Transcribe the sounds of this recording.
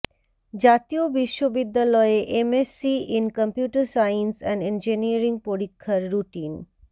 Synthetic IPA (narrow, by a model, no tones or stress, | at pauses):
d͡ʑat̪ijobiʃːobid̪ːjalɔeeʔemesiinkəmpjuːʈəɾsajinsɛ̃ɳɖend͡ʒiniəɾiŋɡ̚poɾikʰːəɾːuʈiːn